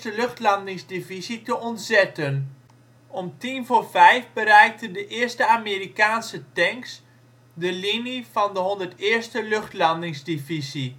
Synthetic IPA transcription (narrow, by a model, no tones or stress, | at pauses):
təlɵxtlɑndɪŋzdivizitəɔntzɛtən | ɔmtinvoːrvɛjfbəɾɛjk̚təndəʔɪːɹstəameːrikaːnsətɛŋks | dəlinifɑndəɦɔndərtɪːɹstəlɵχtlɑndɪŋzdivizi